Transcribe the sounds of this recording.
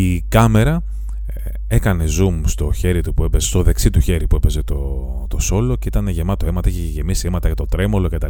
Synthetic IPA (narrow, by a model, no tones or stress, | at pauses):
ikɐme̞ɾɐ | e̞kɐne̞zumst̪o̞çe̞ɾit̪upue̞pezest̪o̞ðe̞ksit̪uçe̞ɾipue̞pe̞ze̞t̪o̞ | t̪o̞so̞lo̞ce̞it̪ɐne̞ʝe̞mɐt̪oemɐt̪ɐiçeʝe̞misiemɐt̪ɐʝɐt̪o̞t̪ɾe̞mo̞locet̪ɐ